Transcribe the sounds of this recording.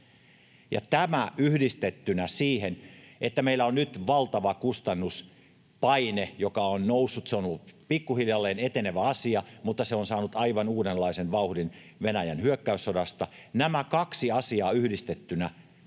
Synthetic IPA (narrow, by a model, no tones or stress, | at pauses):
jɑ̰t̪æmæʔyhdist̪et̪ːynæsiːhenʔet̪ːæmeilːæonnyt̪ʋɑlt̪ɑʋɑkust̪ɑnːus | pɑinejokɑonnousːut̪seonoupikːuhiljɑlːeːnet̪eneʋæɑsiɑmut̪ːɑseonsɑːnut̪ɑiʋɑnuːdenlːɑisenʋɑuhdin | ʋenæjænhyøkːæysːodɑst̪ɑnæmækɑksiɑsiɑːyhdist̪et̪ːynæ